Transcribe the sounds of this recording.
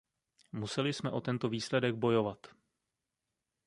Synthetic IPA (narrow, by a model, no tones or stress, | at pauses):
musɛlɪsmɛʔo̞t̪ɛnt̪o̞viːslɛdɛɡ̚bo̞jo̞vat̪